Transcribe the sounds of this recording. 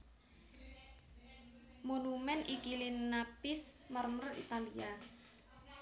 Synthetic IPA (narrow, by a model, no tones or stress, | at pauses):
monumɛnʔikilinapɪsmərmərḭt̪alia